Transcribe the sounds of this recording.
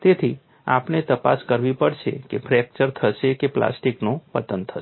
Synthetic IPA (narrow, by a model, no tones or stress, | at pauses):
t̪et̪ʰi | a̰ːpnet̪əpaskəɾbipəɾt͡ʃʰḛkepʰɾɛk̚t͡ʃəɾt̪ʰəsekepla̰sʈiknũpət̪ənt̪ʰəe